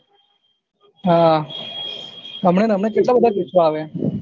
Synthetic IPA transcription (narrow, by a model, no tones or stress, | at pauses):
ɦaː | ɦəmɳeːnəmɳeːkɪʈlaːbəd̪ʱakit͡ʃʋaːʋeː